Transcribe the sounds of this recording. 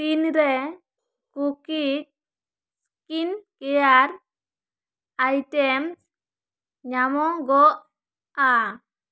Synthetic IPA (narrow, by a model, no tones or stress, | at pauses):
t̪inɾɛ | kukik̚ | s | kinkɛjaɾ | ajtɛms | ɲamɔɡɔʔ | a